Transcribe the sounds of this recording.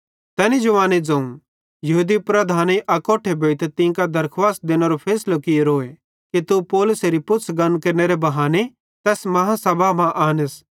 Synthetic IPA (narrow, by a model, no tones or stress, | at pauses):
t̪ɛːnid͡ʒʊʋaːned͡zɐ̃ũ | jɐɦud̪ipɾɐd̪ʱaːneʔɐkoːʈʰebʱeːɪt̪t̪ɪ̃kad̪ɐɾkʰʋaːs̚d̪eːnɐɾopʰeːslokɪjeɾoːe | kit̪upɔːlʊseɾipʊtːsʰɡɐnkɐɾneɾebɐɦaːne | t̪ɛːsmɐɦãsɐbʱamãʔaːnəs